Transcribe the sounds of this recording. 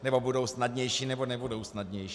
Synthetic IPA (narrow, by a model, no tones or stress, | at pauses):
nɛbo̞budo̞wsnadɲɛjʃiːnɛbo̞nɛbudo̞wsnadɲɛjʃ